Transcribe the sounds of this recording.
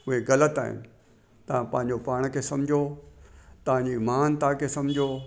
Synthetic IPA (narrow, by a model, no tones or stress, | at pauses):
ʊɦeɣɐlət̪a̰ːɦɪ̰nɪ̆ | t̪ɐʋ̤ãpɐ̃ɦɪ̃ɲ̆d͡ʑopaːɽ̃kʰeːsɐ̃md͡ʑʱo | t̪ɐʋ̤ãɲd͡ʑimaːnt̪aːkʰeːsɐ̃md͡ʑʱo